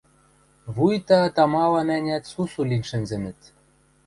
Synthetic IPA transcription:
βujt̪ɑt̪ɑmɑlɑnænʲæt̪susulʲinʲʃɘ̆nzɘ̆mɘ̆t̪

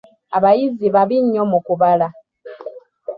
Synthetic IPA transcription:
aβajiziβaβiɲːomukuβala

